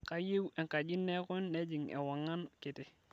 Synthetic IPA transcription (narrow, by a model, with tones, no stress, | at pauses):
ka˨je˦we˨ŋka˨d͡ʒi˦nːe˦kʊ˦nːe˦d͡ʒi˨ŋḛ˨wa˨ŋːa˦nkɪ˨tɪ˨